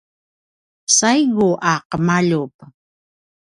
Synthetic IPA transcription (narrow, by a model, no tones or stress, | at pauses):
sajɣʊʔɑːqəmaʎup